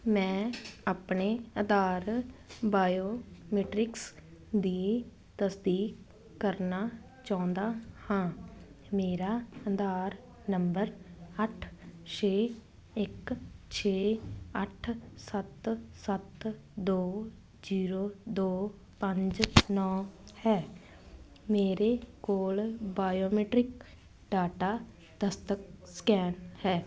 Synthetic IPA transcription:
mɛ̃ːaːpɳeːəd̪aːɾbaːjoːmeːʈɾɪksd̪iː | t̪əsd̪iːkː | əɾnaː | t͡ʃãːnd̪aːhãː | meːɾaːəd̪aːɾ | nəmbəɾəʈʰt͡ʃʰeː | ɪkt͡ʃʰeːəʈʰsət̪sət̪ | d̪oː | d͡ʒiːɾoːd̪oː | pəɲd͡ʒnɔːhɛː | meːɾekoːlbaːjoːmeːʈɾɪk | ɖaːʈaː | d̪̥əst̪əkskɛːnhɛː

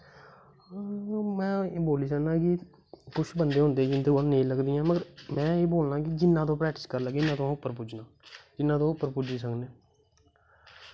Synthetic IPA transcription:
mɛ̃ːboːliːt͡ʃaːnnãːkɪ | kʊt͡ʃʰbənd̪eːɦʊ̃nd̪eːd͡ʒɪnd̪əəlneĩləɡd̪iːãːməɡəɾmɛ̃ːeːboːlnãːkɪd͡ʒɪnːãːt̪õːpɾɛːk̚ʈɪ̥skəɾləɡɪnːãːt̪oãːʊpːəɾpʊd͡ʒnãː | d͡ʒɪnːãːt̪õːʊpːəɾpʊd͡ʒiːsəkneː

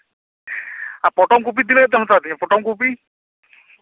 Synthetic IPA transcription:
apɔʈɔŋkup̬id̪ileɡɛt̪emɔt̪at̪iapɔʈɔŋkupi

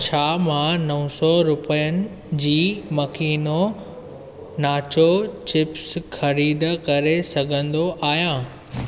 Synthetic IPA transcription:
t͡ɕʰaːmãnɐʋə̃sɔɾʊpəjənɪ̆ | d͡ʑiːmɐkiːno | naːt͡ɕot͡ɕɪpsxɐɾiːd̪əkɐɾesɐɡʱə̃nd̪oʔaːɦjãː

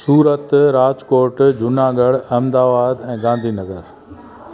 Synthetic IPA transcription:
suːɾət̪ɾaːd͡ʒkoːɾʈd͡ʑʱʊnaːɡəɽɐmd̪aːʋaːd̪ɛ̃ːɡãːnd̪ʱinɐɡəɾ

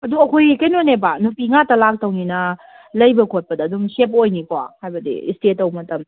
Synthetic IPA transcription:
ɐduɐkʰojkɐjnonebanupiŋatɐlak̚tɐwninɐ | lɐjbɐkʰot̚pɐdɐːdumsepojnikowahajbɐdḭstetɐwmɐtɐm

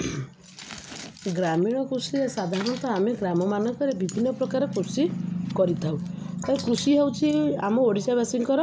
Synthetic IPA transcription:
ɡɾamiɽ̃ɔkɾusiesad̪ʱaɾɔnɔt̪ɔameɡɾamɔmanɔkɔɾebibʱinːɔpɾɔkaɾekɾusikɔɾit̪ʰawt̪aekɾusiɦewt͡ʃʰia̰mɔoɽisabasiŋkɔɾɔ

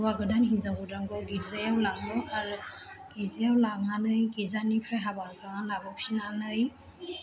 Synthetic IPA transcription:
waɡɯdanhinzaŋɡudɾaŋɡɯɡiɾzajawlaŋɯaɾɯ | ɡ̥izajawlaŋanɯjɡizanipʰɾaɦabakʰaŋanlabɔksinanɯj

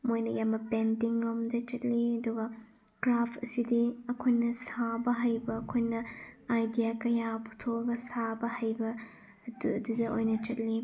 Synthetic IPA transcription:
mojnɐjambɐpentiŋɾomdɐt͡ʃɐt̚liɐduɡɐ | kɾapʰɐsidiɐkʰojnɐsabɐɦajbɐːkʰojnɐajdijakɐjaputʰobɐsabɐhɐjbɐ | duɐdudɐʔojnɐt͡ʃɐt̚li

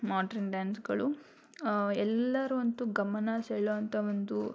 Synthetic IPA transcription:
maːɖɐɾnɖaːnsɡɐɭu | ɛlːɐɾuʋɐnt̪uɡɐmɐnɐsɛɭoɐnt̪ɐond̪u

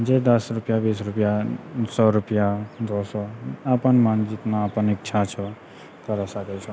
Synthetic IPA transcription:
d͡ʒed̪əsɾupjabisɾupjasɔɾupjad̪osɔapənmand͡ʒit̪naːpənik̚t͡ʃʰat͡ʃʰɔ | kəɾɔsəkɛt͡ʃʰɔ

